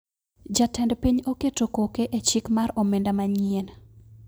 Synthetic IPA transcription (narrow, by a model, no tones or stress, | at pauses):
d͡ʒatɛndpiɲoketokokeʔet͡ʃikmaɾɔmendamaɲien